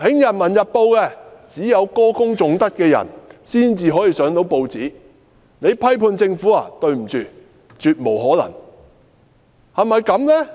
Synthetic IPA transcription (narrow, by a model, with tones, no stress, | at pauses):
hɪ˨˥ŋjɐ˨n̚mɐ˨˩njɐ˨t̚po˧wkɛː˧t͡siː˨˥jɐ˨˧wkɔː˥kʊ˥ŋt͡sʊ˨˥ŋt̪ɐ˥t̚kɛː˧jɐ̰˨˩nsiː˥nt͡siː˧ɦɔː˨˥jiː˧sœː˨˥ŋt̪o˨˥wpo˧wt͡siː˨˥ | ne˨˧jpʰɐ˥jpʰuː˧nt͡sɪ˧ŋfuː˨˥a̰ː˨t̪ɵ˧ɥm̩˨˩t͡ʃyː˨ | t͡syː˨t̚mo˨˩wɦɔː˨˥lɐ̰˨˩ŋ | hɐ˨mɐ˨˧jkɐ˨˧˥mnɛ˥